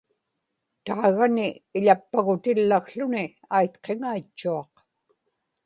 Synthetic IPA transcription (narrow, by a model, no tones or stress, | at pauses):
t̪aːɣanɪːʎapːaɣʊt̪ɪlːaɣɬʊnɪ | ajt̪qe̞ŋait͡ʃːuɑq